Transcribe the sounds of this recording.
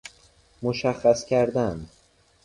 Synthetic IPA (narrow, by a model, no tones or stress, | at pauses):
moʃæxːæscʰæɾd̪æn